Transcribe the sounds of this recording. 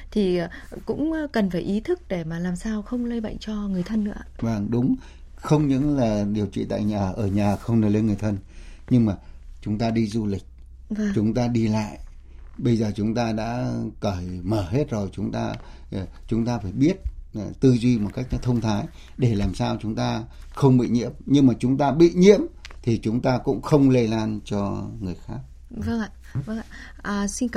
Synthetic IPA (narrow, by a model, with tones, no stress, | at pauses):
t̪ʰi˨˩˨kʊ̰˧˥ŋ͡mkə˨˩nfaː˧˩jʔi˨˦t̪ʰɨ˦˥k̚ɗe˧˩maː˨˩laː˨˩msaː˧wxə˧wŋ͡mlə˧jɓa̰˧˨jŋ̟t͡ɕɔ˧ŋɨ˨˩əjt̪ʰə˧nːɨ̰˧˥əvaː˧˩ŋɗʊ˨˦ŋ͡m | xə˧wŋ͡mɲɨ̰˧˥ŋlaː˨˩ɗi˨˩əwt͡ɕḭ˧˨t̪a̰ː˧˨jɲaː˨˩ʔəː˧˩ɲaː˨˩xə˧wŋ͡mnəː˧˩jlə˧nŋɨ˨˩ə˩jt̪ʰə˧nɲɨ˧ŋmaː˨˩t͡ɕʊ˨˦ŋ͡mt̪aː˧ɗi˧zu˧lï˨˩k̟̚ | vaː˨˧t͡ɕʊ˨˦ŋ͡mt̪aː˧ɗi˧la̰ː˧˨j | ɓə˧jzəː˨˩t͡ɕʊ˨˦ŋ͡mt̪aː˧ɗa̰ː˧˥kəː˧˩jməː˧˩ɦe˦˥t̚zo˨˩jt͡ɕʊ˨˦ŋ͡mt̪aː˧˩ | t͡ɕʊ˨˦ŋ͡mt̪aː˧faː˧˩jɓi˦˥ət̚t̪ɨ˧zwi˧mo˨˩t̚ka˦˥jk̚nɔ˨˧˦t̪ʰə˧wŋ͡mt̪ʰaː˨˦j | ɗe˧˩laː˨˩msaː˧wt͡ɕʊ˨˦ŋ͡mt̪aː˧xə˧wŋ͡mɓḭ˧˨ɲḭ˧˥əmɲɨ˧ŋmaː˨˩t͡ɕʊ˨˦ŋ͡mt̪aː˧ɓḭ˧˨ɲḭ˧˥əm | t̪ʰi˨˩t͡ɕʊ˨˦ŋ͡mt̪aː˧kʊ̰˧˥ŋ͡mxə˧wŋ͡mle˧jlaː˧nt͡ɕɔ˧ŋɨ˨˩əjxaː˦˥k̚ | və˧˨ | və˧ | ʔːsi˧nk